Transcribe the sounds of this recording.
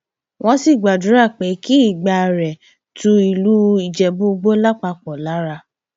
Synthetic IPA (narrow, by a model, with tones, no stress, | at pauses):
wʔɔ̃˦si˦˨ɡ͡ba˨du˨˦ɾa˦˨k͡pe˨˦ki˦i˦˨ɡ͡ba˧˨ɾɛ˨ | tũ˧˦i˨lu˨˦i˨d͡ʒɛ˨bo˦ɡ͡bo˦la˦k͡pa˧k͡pɔ̃˨la˨˦ɾa˧